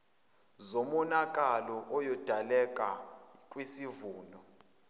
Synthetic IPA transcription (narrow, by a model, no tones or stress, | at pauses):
zomɔnakʼalɔʔɔjɔd̥ʱalɛkʼakʼwisivuːnɔ